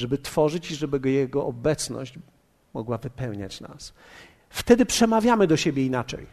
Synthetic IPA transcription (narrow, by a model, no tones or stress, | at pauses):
ʐɛbɘt̪fɔʐɘt͡ɕiʐɛbɘɡɔjɛɡɔʔɔbɛt̪snɔ̰ɕd͡ʑ | mɔɡwavɘpɛwɲa̰t͡ɕna̰s | ft̪ɛd̪ɘpʂɛmavʲjamɘd̪ɔɕebʲjɛinat͡ʂɛ̰j